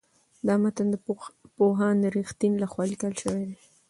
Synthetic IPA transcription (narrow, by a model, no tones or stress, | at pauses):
d̪ɑmat̪and̪əpoɦɑnd̪əɾixt̪inlaxwɑlikəlʃəwed̪e